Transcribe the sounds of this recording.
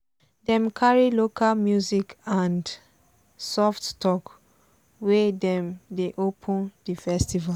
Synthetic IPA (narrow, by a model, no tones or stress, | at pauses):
dɛ̃mkʰaɹilokʰalmjuzikãnd | sɔfttɔk | wɛdɛ̃mdeʔopʰɔ̃ndifɛstiva